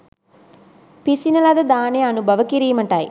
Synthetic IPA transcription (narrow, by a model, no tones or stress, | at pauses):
pisinɐlɐd̪ɐd̪aːneɐnubʱɐʋɐkiɾijɐmɐɳʈaːj